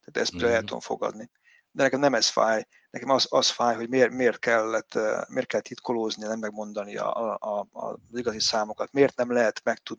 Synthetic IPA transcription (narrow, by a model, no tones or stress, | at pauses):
t̪aːt̪ɛ̰st̪lɛɛt̪ːuo̰ɱfo̞̰ɡɒ̰d̪ni | d̪ɛnɛkɛmnɛmɛsfa̰ːj | nɛkɛmɒzɒsfaːjɦo̞ɟmeːrmeːrt̪kɛlːɛt̪ːmeːrt̪kɛlːt̪ʰːit̪kʰoloːzninɛmːɛɡ̚mo̞nd̪ɒniɒ̰ | ziɡɒzisaːmokɒt̪meːrt̪nɛmlɛɦɛt̪mɛk̚t̪ud̪